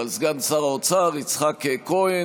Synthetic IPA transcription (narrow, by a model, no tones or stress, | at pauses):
alzɡansaʁaot͡saʁit͡sχakːekoe